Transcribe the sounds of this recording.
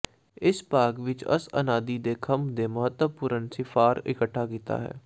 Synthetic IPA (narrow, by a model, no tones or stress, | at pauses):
ɪspaːɡʋɪt͡ʃə̰sə̰naːd̪iːd̪eːkʰəmd̪eːməɦət̪əpuːɾənsɪfʰaːɾɪ̰kəʈʰːaːkiːt̪a̰ːɦɛ̰ː